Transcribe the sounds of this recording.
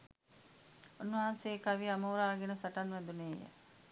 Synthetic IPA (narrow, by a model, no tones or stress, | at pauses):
unːɐɦanseːkaʋiamoːɾaːɡenəsaʈanʋɛd̪uneːjə̰